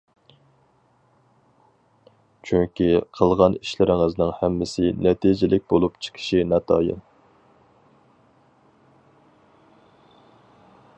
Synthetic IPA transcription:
t͡ʃʰyŋkʲiqʰəlˠʁɑniʃlɪɾɪŋɨznɨŋhɛmːɪsɪnɛt̪ʰid͡ʒɪlɪk̚ʲbolˠupt͡ʃʰi̥kʲʰi̥ʃinɑt̪ʰɑːjɨ̰n

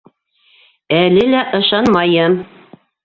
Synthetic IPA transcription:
ælɘlæʔɤ̆ʃɑnmɑjɤm

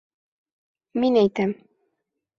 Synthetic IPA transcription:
minæjt̪æm

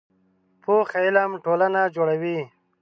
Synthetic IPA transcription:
pʰoxailamʈoːlanad͡ʒoːɽawi

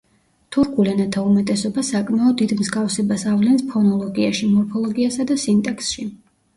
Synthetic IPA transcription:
t̪ʰuɾkʰulɛnat̪ʰaumɛt̪ʼɛsɔbasakʼmaɔd̪ːid̪mzɡafsɛbasavlɛnspʰɾɔnɔlˠɔɡiaʃimɔɾpʰɔlˠɔɡiasad̪asint̪ʼɛksʃi

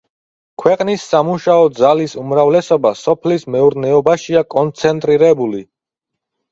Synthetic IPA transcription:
kʰwɛqʼnisːamuʃaɔd̪zalisumɾavlɛsɔbasɔpʰlismɛuɾnɛɔbaʃiakʼɔnt̪sʰɛnt̪ʼɾiɾɛbuli

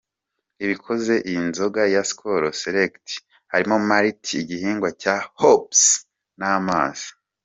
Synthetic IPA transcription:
iβikʰo̞ze̞ʔinzo̞ɡajasi̥kʰoɾoseɾekti̥ | haɾimomaɾitiːɟihiːŋɡwacahops | naːma̰ːz̥i̥

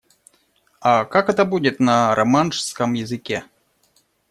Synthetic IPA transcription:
akakɛt̪əbudʲɪt̪nɐɾɐmanʂskəmjɪzɨkʲe

